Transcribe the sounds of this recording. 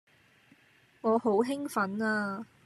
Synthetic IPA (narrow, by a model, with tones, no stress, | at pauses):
ŋɔː˨˧ho˨˥wɦɪ˥ŋfɐ˨˥naː˧